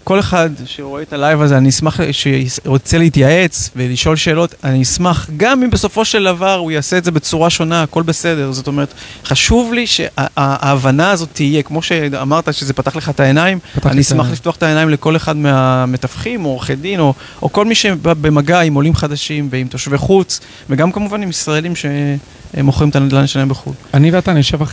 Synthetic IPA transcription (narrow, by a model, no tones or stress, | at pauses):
ko̞le̞χad̪ʃeʁoetalajvazeaniismaχʃeʁot͡selehitjaʔe̞t͡sve̞liʃo̞lʃe̞ːlo̞taniismaχɡamimbeso̞fo̞ʃeldavaʁujaːseːtzebe̞t͡suʁaʃo̞naːko̞lbe̞se̞de̞ʁzo̞tome̞ʁet̪χaʃuvliʃe̞̰ʔaaːvanaːzo̞tʰːijekmo̞ʃe̞amaʁtaʃezepat̪aχle̞χat̪ae̞naimaniismaχliftoaχt̪aenaimle̞ko̞leχadmeame̞tafχimo̞χedimo̞ | oko̞lmiʃe̞be̞maɡaimo̞limχadaʃimveimt̪oʃveχut͡s | veɡamkamuvanimisʁaelimʃe̞ | moχʁimt̪and̪laneʃanajmbeχṵlaniveat̪aniʃevaχ